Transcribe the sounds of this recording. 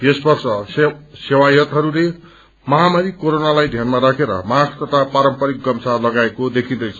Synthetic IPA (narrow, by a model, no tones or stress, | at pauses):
jesbʌrsʌsewajʌt̪ɦʌɾule | mʌɦamaɾikoɾonalajd̪ʱjanmaɾakʰeɾʌ̰maɡt̪ʌt̪ʰapaɾʌmpʌɾik̚ɡʌmsalʌɡaekod̪ekʰĩd̪ʌjt͡sʰʌ